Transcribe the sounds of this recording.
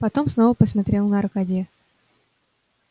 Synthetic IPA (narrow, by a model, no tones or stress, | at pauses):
pɐt̪o̞msno̞vəpəsmɐt̪ɾʲelˠnəɐɾkad̪ʲi